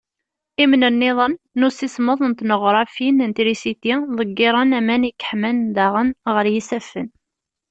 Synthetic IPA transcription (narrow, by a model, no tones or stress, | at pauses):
imnənːɪðˤənːusisməðˤənt̪nəʁɾˤɑfinənt̪iɾisit̪iðˤəɡːɪɾˤɑnæmænikːə̥ħmænd̪aʁənʁəɾjisæfːən